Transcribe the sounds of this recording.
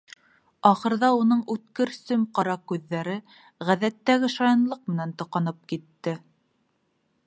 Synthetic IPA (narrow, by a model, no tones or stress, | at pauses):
ɑχɤ̆ɾðɑunɤɴʉt̪kɘɾsɵmqɑɾɑkʉðːæɾɘ | ʁæðæt̪ːæɡɘʃɑjɤ̆nlˠɤq̚mɘ̆nænt̪ŏqɑnɤp̚kit̪ːɘ